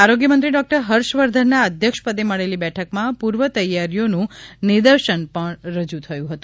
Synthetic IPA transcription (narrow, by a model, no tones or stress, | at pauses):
aɾoɡjəmənt̪ɾiɖɔk̚ʈəɾɦəɾʃʋəɾd̪ʱənːaəd̪ʱjəkʃpəd̪eməɭelibɛʈʰəkmãpuɾʋət̪əjːaɾjonũnɪɾd̪əɾʃənpəɳɾəd͡ʒut̪ʰəjũɦət̪ũ̥